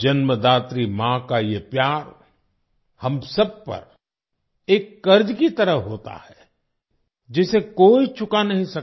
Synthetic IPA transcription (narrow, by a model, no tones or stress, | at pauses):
d͡ʒɐnməd̪aːt̪ɾimãkajepjaːɾ | hɐmsɐb̚pɐ̰ɾ | eːkːɐɾd͡ʒkit̪ɐɾəɦɦoːt̪a̰hɛ | d͡ʒɪsekoːit͡ʃʊkanɐɦĩsɐk